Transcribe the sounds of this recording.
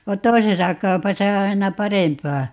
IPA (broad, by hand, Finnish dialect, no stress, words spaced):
ʋɑ toisesɑ kɑu̞pɑsɑ o ɑinɑ pɑrempɑː